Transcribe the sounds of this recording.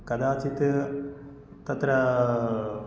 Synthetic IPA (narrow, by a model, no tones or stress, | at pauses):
kɐd̪aːt͡ʃit̪ | t̪ɐt̪ɾɐ